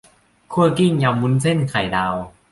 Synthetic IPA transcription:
kʰu˥˩ɐki˥˩ŋja˧wmːu˧˦˥nse˥˩nkʰa˨˩jdaː˧w

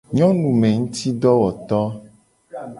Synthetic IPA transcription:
ɲɔ̃˦nũ˨mẽ˨ŋũ˦t̪i˦ɖɔ˦wɔ˨t̪ɔ˦

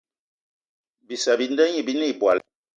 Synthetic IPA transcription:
bi˨sa˨bi˨˦n˦dɛ˦ɲi˦˨bi˦ni˦˨bwa˨l

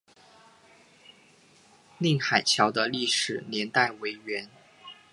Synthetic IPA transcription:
li˥˩ŋxa˨˩ɪt͡ɕʰjɑ˧˥ʊd̪ə˧li˥˩ʂɻ̩˨˩njɛ˧˥nt̪a˥˩ɪwe˧˥ɪɥɛ˧˥n

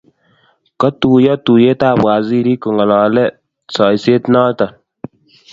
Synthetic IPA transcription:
kɔ˦tu˨jɔ˦tu˨je˦taː˦˨bwa˨zi˦ɾi˦ku˨ŋɔ˨lɔ˨lɛ˦ | sɔ˨i˨se˦tnɔ˦tɔ˨

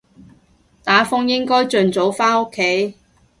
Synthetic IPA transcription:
t̪aː˨˥fʊ˥ŋjɪ˥ŋkɔː˥jt͡ʃɵ˨nt͡so˨˥wfaː˥no˥kʰːe˨˥j

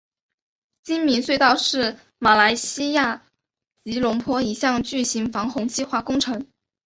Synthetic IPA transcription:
t͡ɕi˥nmi˧˥nswe˥˧ɪt̪ɑ˥˧ʊʂɻ̩˥˩ | ma˨˩la˧˥ɪɕi˥ja˥˩ | t͡ɕi˧˥lʊ˧˥ŋpʰwɔ˥i˨˩ɕjɑ˥˧ŋt͡ɕy˥˩ɕi˧˥ŋfɑ˧˥ŋxʊ˧˥ŋt͡ɕʰi˥xwa˥˩kʊ˥ŋʈ͡ʂʰɤ˧˥ŋ

